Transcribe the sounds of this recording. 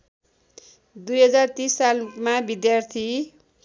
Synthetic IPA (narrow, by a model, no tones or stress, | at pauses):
d̪ujɦʌd͡zart̪isːalmabid̪jart̪ʰi